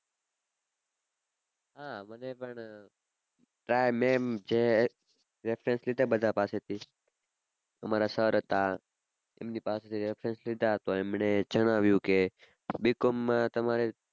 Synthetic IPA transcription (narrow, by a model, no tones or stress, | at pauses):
ɦãmənepəɳ | ʈɾajmẽmd͡ʒe | ɾefʰɾenslid̪ʱabəd̪ʱapaset̪ʰi | əmaɾasəɾət̪a | ḛmnipaset̪ʰiɾefʰɾenslid̪ʱaɦət̪oemned͡ʒəɽ̃aʋjũke | bikomːãt̪əmaɾe